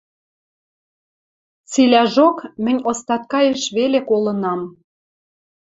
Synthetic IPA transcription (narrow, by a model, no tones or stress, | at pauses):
t͡silʲæʒokmɘ̆nʲost̪ɑt̪̚kɑjĕʃβelekolɤ̆nɑm